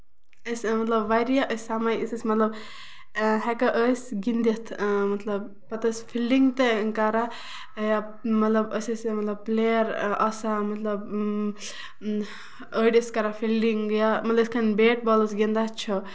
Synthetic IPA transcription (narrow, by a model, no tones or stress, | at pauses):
əsʲmɐt̪lɐbʋaɾijaʔəsʲsamajisəsʲmɐt̪lɐb | ɦɛkɐʔəsʲɡind̪it̪ʰmɐt̪lɐb | pɐt̪əsʲfʰilɖiŋɡt̪ekɐɾa | ja | mɐt̪lɐbəsɐsʲmɐt̪lɐb̚plejɐɾɐsamɐt̪lɐb | əːɖiskɐɾafilɖiŋɡjamɐt̪lɐbisʲkʰɐnbeːʈ̚bɔləsɡind̪at͡ʃʰɔ